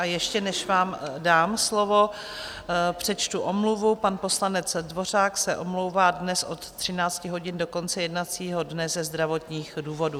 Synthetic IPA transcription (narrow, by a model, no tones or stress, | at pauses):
ʔajɛʃcɛnɛʃvaːmdaːmslo̞vo̞ | pr̝̥ɛt͡ʃt̪uʔomluvupanpo̞slanɛt͡sdvo̞raːksɛʔomlo̞wvaːdnɛsʔo̞t̪ːr̝̥ɪnaːt͡scɪɦo̞ɟɪndoko̞nt͡sɛjɛdnat͡siːɦo̞dnɛzɛzd̪ɾavo̞t̪ɲiːxduːvo̞du